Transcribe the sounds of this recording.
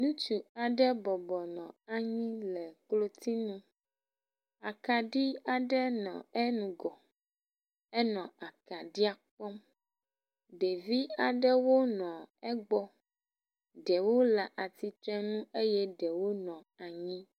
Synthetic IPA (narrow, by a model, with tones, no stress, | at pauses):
nũ˦t͡ʃu˨a˨ɖɛ˦bɔ˨bɔ˨nɔ̰̃˨a˦ɲĩ˦lɛ˨klo˦t̪i˦nũ˦ | a˨ka˨ɖi˦a˨ɖɛ˦nɔ̰̃˨ɛ˦nũ˨ɡɔ˨ | ɛ˦nɔ̃˨a˨ka˨ɖi˦a˨k͡pɔ˦m | ɖe˨vi˦a˨ɖɛ˦wo˦nɔ̃˨ɛ˦ɡ͡bɔ˦ | ɖɛ˨wo˦la˨ʔa˨t̪i˨t̪ɾɛ̃˦nũ˦e˦jɛ˦ɖɛ˨wo˦nɔ̃˨ | a˨ɲĩ˦